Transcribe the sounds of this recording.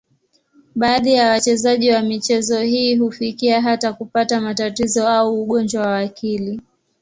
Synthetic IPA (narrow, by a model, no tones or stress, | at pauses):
ɓaːðijawat͡ʃɛzaʄiwamit͡ʃɛzɔhiːɦufikiaɦatakupatamatatizɔauːɠɔnd͡ʒwawawakʰili